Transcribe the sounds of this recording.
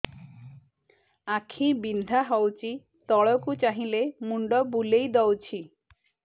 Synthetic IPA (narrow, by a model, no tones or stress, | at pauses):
akʰibind̪ʱaɦɔwt͡ʃi | t̪ɔɭɔkut͡ʃaɦĩlemuɳɖɔbulejd̪ɔwt͡ʃʰi